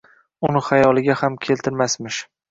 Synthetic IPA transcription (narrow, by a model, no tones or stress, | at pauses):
ʊnɪχajɒlˠɪɡʲahamkʲʰe̞lt̪ʰɪɾmasmɪʃ